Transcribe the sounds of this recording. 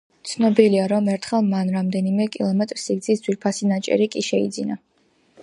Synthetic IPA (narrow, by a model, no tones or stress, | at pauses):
t̪sʰnɔbiliaɾɔmɛɾt̪ʰχɛlˠmanɾamd̪ɛnimɛkʼilˠɔmɛt̪ʼɾsiɡd̪zisd̪zwiɾpʰasinat͡ʃʼɛ̰ɾikʼiʃɛḭd̪zina